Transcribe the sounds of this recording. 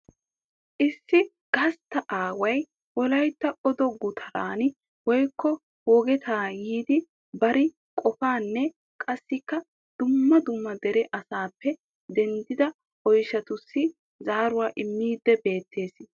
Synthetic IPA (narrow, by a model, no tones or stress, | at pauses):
ʔɪsːɪ | ɡ̥ɐst̪ːɐʔaːwɐj | wɔlɐjt̪ːɐɔd̪ɔɡʊt̪ʰɐɾa̰ːn | wɔjkʰːɔ | hoːɡɛt̪ʰaːjiːd̪ɪ | bɐɾɪ | kʼɔfaːnːɛ | kʼɐsːɪkːɐ | d̪̥ʊmːɐd̪ʊmːɐd̪ɛɾɛʔɐsaːpːɛ | d̪ɛnd̪ɪd̪ɐ | ɔjʃːɐt̪ʊsːɪ | zaːɾʊwaːʔɪmːiːd̪ːɛbe̞ːt̪ʰːe̞ːs